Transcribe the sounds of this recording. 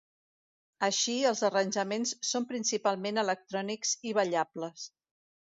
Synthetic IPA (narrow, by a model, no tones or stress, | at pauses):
əʃiəlˠzərənʲʒəmensːompɾinsipalˠmenələk̚t̪ɾɔnikz̥iβ̞əʎabləs